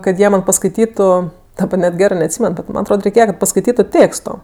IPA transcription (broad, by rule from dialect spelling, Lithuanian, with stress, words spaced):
kɐt ˈjiɛ ˈmɐn pɐskɐɪˈtʲiːtʊ dɐˈbɐ nʲɛt ˈɡʲæːrɜ nʲɛɐtʲˈsʲiːmʲɛn ˈbʲɛt mɐn ɐtˈroːt rʲɛɪˈkʲeːjɛ kɐt pɐskɐɪˈtʲiːtʊ ˈtʲeːkstoː